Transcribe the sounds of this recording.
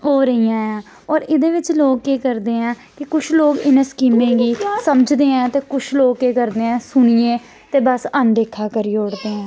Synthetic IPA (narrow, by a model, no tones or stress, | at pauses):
oːɾəɦiːãːãː | ɔːɾɪd̪eːʋɪt͡ʃloːɡkeːkəɾd̪eːɛ̃ː | kɪkʊt͡ʃʰloːɡɪnẽːskiːmẽːɡiːsəməd͡ʒd̪eːɛ̃ːt̪eːkʊt͡ʃʰloːɡkeːkəɾd̪eːɛ̃ːsʊɳ̃iːẽː | t̪eːbəsənɖeːkʰːaːkəɾiːoːɽd̪eːɛ̃ː